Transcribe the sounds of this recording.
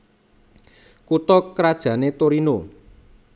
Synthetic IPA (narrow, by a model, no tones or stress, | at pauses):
kut̪ɔkɾad̥ʒ̥ä̤net̪oɾino